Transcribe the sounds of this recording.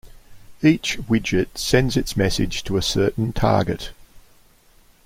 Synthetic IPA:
iˑt͡ʃwɪd͡ʒɪtsɛ̃ndzɪtsmɛsɪ̰d̥ʒ̥tʰəəsɜˑʔn̩tʰɑ̰ːɡɪ̰t

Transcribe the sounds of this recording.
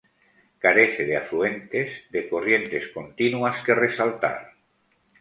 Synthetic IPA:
kaɾe̞θeðeafɾue̞nt̪e̞zd̪eko̞rje̞nt̪e̞sko̞nt̪inuaske̞re̞salt̪a̰ɾ

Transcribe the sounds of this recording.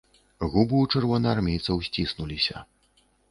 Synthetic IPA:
ɣubɨwt͡ʂɨrvɔnɨarmʲejt̪sɐwsʲt͡sʲisnulʲisʲɐ̰

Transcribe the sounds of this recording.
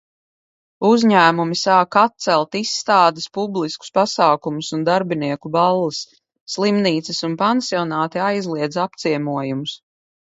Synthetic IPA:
uzɲæːmumisaːkat̪̚t̪sɛlˠt̪isːt̪aːd̪ɪspublˠisku̥spasaːkumusund̪aɾbiniɛkubalˠːisː | lˠimniːt̪sɨsunpansiɔnaːt̪iajzlˠiɛd̪zap̚t̪siɛmuɔjumus

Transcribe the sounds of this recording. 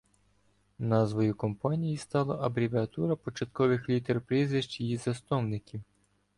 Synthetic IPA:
nɑzʋɔjʊkɔmpɑnʲijist̪ɑlˠɐʔɐbɾʲiʋeɐt̪uɾɐpɔt͡ʃɐt̪̚kɔʋɪxlʲit̪erpɾʲizʋɪʃt͡ʃijizɐst̪ɔwnɪkʲiw

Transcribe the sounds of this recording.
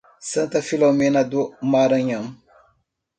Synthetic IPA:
santafilomenadumaɾaɲam

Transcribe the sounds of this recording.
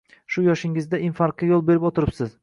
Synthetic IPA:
ʃʊjɒʃɪŋɪzd̪aʔɪnfaɾqɪjolˠbe̞ɾɪpot̪ʰɪɾɪpsɪz

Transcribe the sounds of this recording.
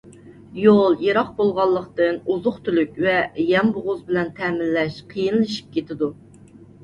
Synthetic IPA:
jolˠjeɾɑq̚bolˠʁɑlˠːəqt̪ɨnuzʊχt̪ʰylykʲvɛjɛmbʊʁʊzbɪlɛnt̪ʰɛmɪlːɛʃqʰəjinlɨʃi̥p̚kʲet̪ɪd̪u

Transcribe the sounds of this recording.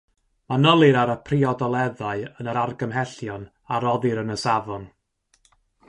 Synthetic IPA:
manəlˠɨɾaɾəpʰriɔdɔlˠɛðaɨənəɾarɡəmɦɛɬjɔn | aɾɔðɨɾənəsavɔn

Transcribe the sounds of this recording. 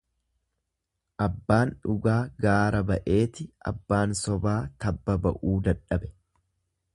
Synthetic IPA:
ʔɐbːaːnᶑʊɡaːɡaːɾɐbɐʔe̞ːt̪ɪʔɐ̰bːaːnsɔbaːt̪ɐbːɐbɐʔuːd̪ɐᶑɐbɛ̥

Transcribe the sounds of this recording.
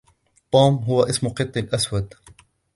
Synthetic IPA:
t̪ˤːuːmɦʊwaʔɪsmʊqɨt̪ˤːɪlʔaswad̪

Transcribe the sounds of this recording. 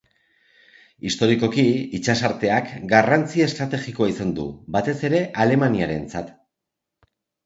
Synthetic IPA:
ist̪o̞ɾiko̞kiit͡ʃasaɾt̪e̞akɡarant͡sie̞st̪ɾat̪e̞ʝiko̞aisand̪ṵbat̪e̞se̞ɾe̞ʔale̞maniaɾe̞nt͡sat̪

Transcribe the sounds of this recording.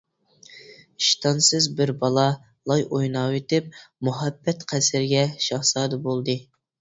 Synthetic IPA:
iʃt̪ʰɑnsɨzbɪɾbɑlˠɑ | lˠɑjʔojnɑːwet̪ɪp̚muɦɛbːɛt̪qʰæsɪɾɡʲɛʃɑhsɑːd̪ɨbolˠd̪ɨ

